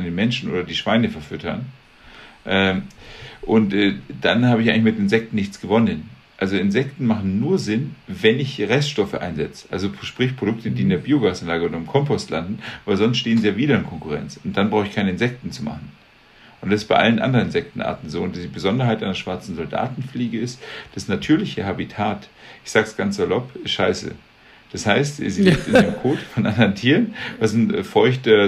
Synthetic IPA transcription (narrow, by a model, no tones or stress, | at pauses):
ndeːnmɛnʃn̩ʔo̰ːdɐdiːʃv̥aɪnəfɛɐfʏtʰɐn | ʔɛːmʔʊntʔɛːd̥anhaːbɪçʔaɪŋɪçmɪtenɪnzɛk̚tn̩nɪçt͡sɡ̥əvɔnənʔalzoɪnzɛktn̩maχn̩ːuːɐzɪnvɛnɪçʁɛstʃtɔfə̰ʔaɪnzɛt͡sə̥ʔalzoʃpʁ̥ɪçpʁ̥oɾʊk̚tədiːɪndeːɐbiːoɡaːsanlaːɡəʊːdɐɪmkʰɔmpɔstlandn̩vaɪlzɔnstʃteːənzijaːviːɾɐɪnkʰɔŋkʊʁɛ̰nt͡sʊnt̚d̥anbʁaʊxɪçkʰaɪnəɪnzɛk̚tn̩t͡suma̰χn̩ | ʔʊntd̥asɪstb̥aɪʔa̰lənʔa̰ndəʁənɪnzɛk̚tn̩ʔa̰ːɐtn̩zoːʊntibəzɔndɐɦaɪtʔaɪnɐʃv̥aɐt͡sn̩zɔlda̰ːtn̩fliːɡəɪstd̥asnatʰyːɐlɪçəhabitʰaːtʔɪçz̥aːksɡ̥ansz̥alɔpɪstʃaɪsə̰ | d̥ashaɪstzilɪk̚tɪ̰naːəmkʰoːtfɔnʔandɐʁəntʰiːʁənvasɪnɛ̰fɔʏçtɐ